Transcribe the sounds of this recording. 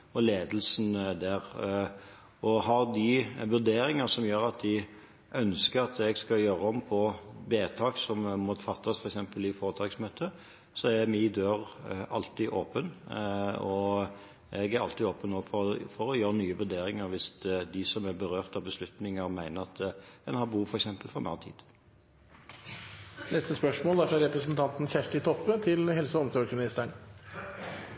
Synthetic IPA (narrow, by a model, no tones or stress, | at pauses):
ɔleːd̪əlsnd̪æːɾ | ɔɦɑʁd̪ɪʋʉɾd̪eːɾɪŋəsɔmjøːɾɑt̪̚d̪ɪ | ʔœnskəɾɑt̪ɛɡskɑjøːɾəɔmpʰɔbeːt̪ʰɑːksɔmmːɔfɑt̪ʰːɑsfɔɾɛksɛmpəlɪfoːɾət̪ʰɑːksmøːt̪ʰə | sɔæɾmɪd̪øːɾɑlt̪ɪʔoːpən | ɔ | ɛɡæɾɑ̰lt̪ɪoːpənoːɡfɔfɔɾɔjøːɾənyːəʋʉɾd̪eːɾɪŋəɾʋɪsd̪ɪsɔmæbəɾøːʁt̪ɑʋbəslʉt̪nɪŋəɾmæɪnəɾɑt̪ɛnhɑbuːfɔɾɛksɛmpəlfɾɑmʔɑ̰ːʁt̪ʰḭːd̪̥ | nɛst̪əspœʂmoːlæɾfɾɑɾɛpɾəsnt̪ʰɑnt̪n̩çæʂʈɪt̪ʰɔpːət̪ʰɪlhɛlsəɔmsokmɪnɪst̪æɳ